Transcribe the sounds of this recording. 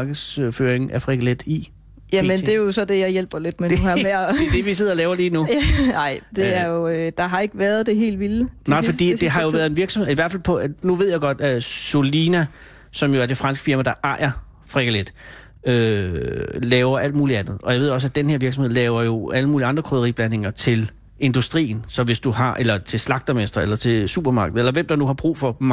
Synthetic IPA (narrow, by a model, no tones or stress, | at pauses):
ɡ̥əð̩ˠsføːɐeŋ̩æfʁeɡ̥æled̥i | jæmend̥ejosɒ̽d̥ejɑ̈ɪjelb̥ɐled̥menmed̥eʋis̬eð̞̰ˠɒlɛːʊɐliːnunɑɪ̰d̥e̝æɐjod̥ɑ̈ɦɑ̈e̝ɡ̥əʋæːɐð̞ˠd̥e̝ɦe̝̰ːlʋil̥nɑ̈ɪfɒ̽dḭd̥e̝ɦɑ̈jo̝ʋæɐð̞ˠe̝nʋiɐ̥sɒmḛiʋæɐfælpʰɒ̽nuʋe̝ð̞̰ˠjɑʊɡ̥ɒ̽d̥solinæ | sɒ̽mjo̝æɐd̥e̝fʁɑ̈nsɡ̥fiɐmæd̥ɑ̈ʔɑ̈ɪɐ | fʁɛɡ̥æled̥ | ø | lɛːʊɐʔæl̰d̥̚muːliænð̞̩ˠɒ̽jaɪe̝ð̰jɒ̽s̬æd̥enəheɐʋiɐɡ̥smhe̝ðˠlɛːʊɐjo̝æləmuːliɑ̈nd̥ʁɐkʰʁøðˠɐʁḭːb̥læne̝ŋɐt͡sʰe̝l | e̝nd̥usd̥ʁḭːn̩sɒ̽ʋe̝sd̥uɦɑ̈ʔelɐt͡sʰe̝lslɑ̈ɡ̥̚d̥ɐmesd̥ʁɐelɐt͡sʰe̝sṵːb̥ɐmɑ̈ɡ̥ð̩ˠelɐʋem̰d̥ɑ̈nuɦɑ̈b̥ʁṵːfɒ̽m